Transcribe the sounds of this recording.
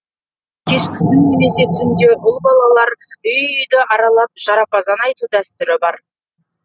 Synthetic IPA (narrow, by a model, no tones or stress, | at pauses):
kʲʰe̞ʃkʲɪ̥sɪnne̞me̞se̞t̪ʰʏnd̪e̞ʔʊlˠbɑlˠɑlˠɑɾʏjʏjd̪ɪʔɑɾɑlˠɑp̚ʒ̥ɑɾɑpɑzɑnɑjt̪ud̪æst̪ʏɾɪbɑɾ